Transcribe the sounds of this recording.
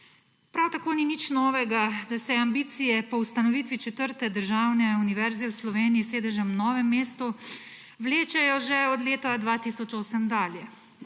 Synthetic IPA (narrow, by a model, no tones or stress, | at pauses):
pɾawt̪akoːninit͡ʃnɔːʋɛɡad̪asɛambiːt̪sijɛpɔust̪anɔʋiːt̪ʋit͡ʃɛt̪əɾt̪ɛd̪əɾʒaːwnɛuniʋɛɾzɛwslɔʋeːnijiseːd̪ɛʒɛmnɔːʋɛmːeːst̪u | wleːt͡ʃɛjɔʒɛɔd̪leːt̪ad̪ʋat̪isɔt͡ʃoːsəmd̪aːljɛ